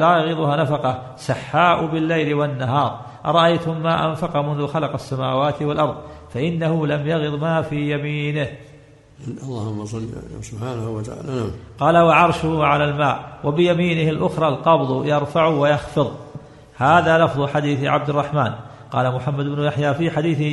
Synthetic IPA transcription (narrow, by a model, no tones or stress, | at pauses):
laːjaɣɨðˤʊhaːnafɑqɑ | saħːaːʔʊbɪlːajlɪwanːaɦɑːɾˤ | ʔɑɾˤɑʔajt̪ʊmːaːʔanfɑqɑmʊnðʊxalɑqasːamaːwaːt̪ɪwalʔɑɾˤðˤfaʔɪnːahʊlamjɑɣɨðˤmaːfiːjamiːnɪh | ɑlˤːɑːhʊmːasˤɑlsʊbħaːnahwat̪aʕa̰ːlnaqɑːlawaʕɑɾˤʃʊhʊʕalalmaːʔwabɪjamiːnɪhalʔʊxɾˤɑːlqɑbðˤjɑɾˤfaʕʊwajɑxfɨðˤ | haːðaːlɑfðˤʊħad̪iːθʕa̰b̚d̪ɪrˤːɑħmaːn | qɑːlamʊħamːad̪bnʊjaħjaːfiːħad̪iːθ